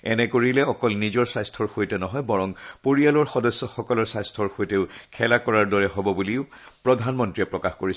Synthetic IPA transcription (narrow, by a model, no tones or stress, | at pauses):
ɛnɛkoɹilɛɔkɔlnizɔɹsajstʰɔɹxojtɛnɔɦɔjbɔɹɔŋpoɹijalɔɹxɔdɔsːɔxɔkɔlɔɹsajstʰɔɹxojtɛʊkʰɛlakɔɹaɹdɔɹɛɦɔbɔbuliʊpɹɔdʱanmɔntɹiɛpɹɔkaxkoɹis